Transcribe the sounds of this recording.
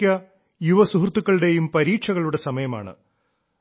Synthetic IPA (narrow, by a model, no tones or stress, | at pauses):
ɐ | juʋɐsuɦrt̪ːukːɐɭɽe̞jumpɐɾiːʈʂɐɣɐɭuɽe̞sɐmɐjɐma̰ːɳɨ̰